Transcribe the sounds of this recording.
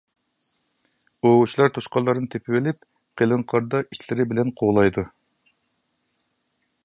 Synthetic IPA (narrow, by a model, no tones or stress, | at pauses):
out͡ʃʰilˠɑɾt̪ʰoʃqɑlˠːɑɾnɨt̪ʰepʰɪwɪlɪp̚ | qʰelɨŋqʰɑɾd̪ɑʔiʃlɪɾɪbɪlɛnqʰoʁlˠɑjd̪u